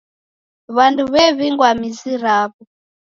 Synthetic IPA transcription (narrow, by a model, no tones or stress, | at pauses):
βanduβɛβiŋɡwamiziɾaːβɔ